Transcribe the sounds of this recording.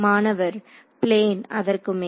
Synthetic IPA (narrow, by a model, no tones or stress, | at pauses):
maːnɐʋɐɾ | pleːnɐ̰ðɐrkɯme